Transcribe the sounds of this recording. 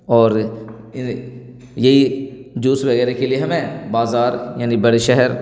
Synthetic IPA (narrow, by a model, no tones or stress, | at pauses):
ɔːɾ | ɪ | jɐɦid͡ʒuːsʋɐɣɛːɾekelieɦɐmẽbaːzaːɾjaːnibɐɽeʃɛɦɛɾ